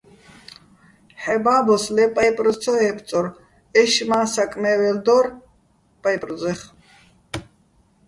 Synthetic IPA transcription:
ħɛbaːbɔslɛpʼajpʼɾɔt͡sʰɔɦɛpʰt͡sʼɔɾ | ɛʃmaːsakʼmɛːvɛld̪ɔɾ | pʼajpʼrɔd͡zɛχ

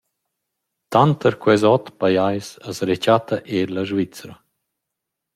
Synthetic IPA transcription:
t̪ant̪əɾkwɛzɔt̪pajajsəsɾet͡ʃat̪ʰaʔeɾlaʒvit͡sɾa

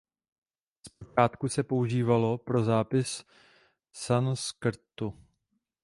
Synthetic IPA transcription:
sp̚ot͡ʃaːt̪kusɛpouʒiːvalo̞pɾo̞zaːpɪs | sanskɾ̩t̪u

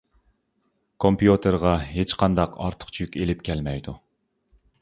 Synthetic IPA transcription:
kʰompjut̪ʰeɾʁɑɦet͡ʃqʰɑnd̪ɑqɑ̰ɾt̪ʰə̥qt͡ʃʰyjykʲelɪpkʲʰælmɛjd̪u

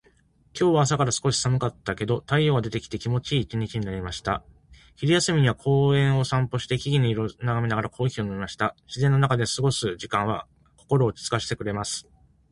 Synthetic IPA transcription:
kʲo̞ːβaːs̬akaɾasɨ̥ko̞ɕi̥samɯ̟kat̪ːake̞d̪o̞t̪aio̞ːɡad̪e̞t̪e̞kʲi̥t̪e̞kʲimo̞t͡ɕiːt͡ɕiɲ̟it͡ɕiɲinaɾʲimaɕi̥t̪a̰ | çiɾʲijasɨmʲiɲ̟iβakʰo̞ːẽ̞ɰ̃o̞sãmpo̞ɕi̥t̪e̞kʲiɡʲinoiɾonaɡamʲinaɡaɾakʰo̞ːiçʲionoimaɕi̥t̪aɕizẽnːo̞nakad̪e̞sɨɡo̞sɨʑikãɰ̃βa | ko̞ko̞ɾo̞ːt͡ɕi̥t͡sɨ̥kaɕi̥t̪e̞kɯ̟ɾe̞masɨ̥

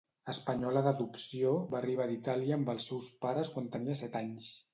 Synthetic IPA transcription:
əspəɲɔləðəðupsioβaːriβaðit̪aliəːmbəlˠsːɛwspaɾəskwant̪əniəsɛt̪aɲs

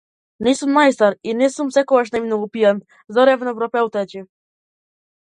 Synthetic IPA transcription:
nisumːajst̪aɾinɛsumsɛkɔɡaʃnɛmnɔɡupian | zɔɾɛvnɔvɾɔpɛwt̪ɛt͡ɕi

